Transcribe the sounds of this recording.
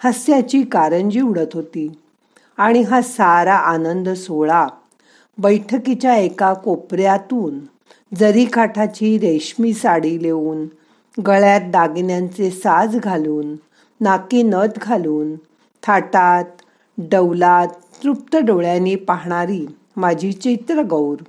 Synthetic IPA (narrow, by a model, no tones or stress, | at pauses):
həsjat͡ɕiːkaɾənd͡ʑiuwɽət̪ɦot̪iː | aɽ̃iɦasaɾaʔanənd̪soɭa | bəjʈʰəkit͡ɕjaekakopɾjat̪uːn | d͡zəɾikʰaʈʰat͡ɕiːɾeɕmiːsaɽileuːn | ɡəɭjat̪̚d̪aɡnjãnt͡sesad͡zɡʱaluːnː | akiːnət̪ɡʱaluːn | t̪ʰaʈat̪ | ɖəwlat̪ːɾup̚t̪əɖoɭjanːiːpaɦɳ̃aɾiː | mad͡ʑʱit͡ɕit̪ɾəɡəwɾ